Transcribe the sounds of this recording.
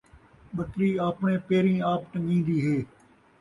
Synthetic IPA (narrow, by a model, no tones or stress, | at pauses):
ɓət̪ɾiːaːpɳẽːpeːɾĩːaːpʈəŋĩːnd̪iːɦeː